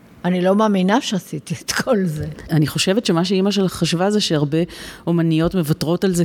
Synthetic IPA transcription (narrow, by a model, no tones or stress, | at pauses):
anilo̞maːminaʃeasit̪iet̪kʰo̞lzeaniχo̞ʃevetʃemaʃ̬eimaʃ̬e̞laχaʃvazeʃeaʁbe̞omanijo̞tme̞vatʁo̞talze